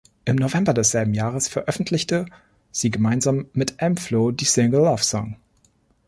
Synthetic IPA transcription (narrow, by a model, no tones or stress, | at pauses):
ʔɪmnovɛmbɐdɛsz̥ɛlbm̩jaːʁəsfɛɐʔœfn̩tʰlɪçtə | z̥iːɡəmaɪnzaːmːɪtʔɛmfloːdiːsɪŋɡəl̩ːɔfsɔ̰ŋ